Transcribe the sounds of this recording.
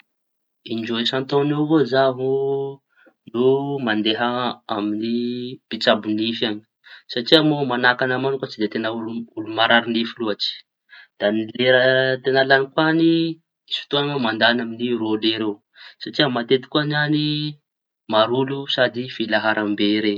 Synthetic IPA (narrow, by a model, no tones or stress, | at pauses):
ind͡ʒoesant̪onevozaɦu | numand̪eɦaaminipit͡sabunifani̥ | saʈ͡ʂiamomanakanamankat͡sid̪et̪enauulumaɾaɾinifiluat͡ʃi̥ | d̪̥anileɾət̪enalanikwani | isi̥t̪oanamand̪anaminiɾoleɾe | saʈ͡ʂiəmat̪et̪i̥kuanani | maɾulusad̪ifilaɦaɾʔambeɾe